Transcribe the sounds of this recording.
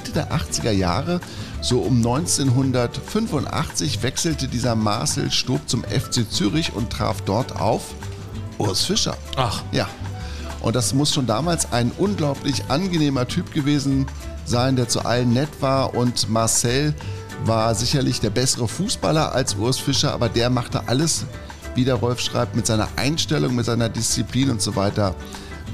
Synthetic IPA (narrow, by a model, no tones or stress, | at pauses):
tədeːɐʔaχt͡sɪɡɐja̰ːʁə | z̥oːʔʊmnɔʏnt͡seːnɦʊndɐtfʏnfʊntʔa̰χt͡sɪçv̥ɛksl̩tədiːzɐma̰ɐsl̩ʃtuːpt͡sʊmɛ̰ft͡seːt͡syːʁɪçʊ̰ntʁ̥a̰ːfd̥ɔɐtʰa̰ʊf | ʔʊɐsfɪʃɐ̰ajaːʔʊ̰ntd̥asmʊsʃoːndaːmaːlsa̰ɪnʔʊnɡlaʊplɪçʔanɡəneːmɐtʰyːpɡ̥əveːzn̩ | zaɪndeːɐt͡sṵʔa̰lənːɛtv̥aːɐʔʊntmaɐsɛl | vaːɐzɪçɐlɪçd̥eːɐbɛsəʁəfuːsb̥a̰lɐʔa̰lsʔʊɐsfɪʃɐʔa̰ːbɐdeːɐmaχtə̰ʔaləs | viːdeːɐʁɔlfʃʁ̥a̰ɪp̚tmɪtz̥aɪnɐ̰ʔa̰ɪnʃtɛlʊŋmɪtz̥aɪnɐdɪst͡sipliːnʊntz̥ovaɪtɐ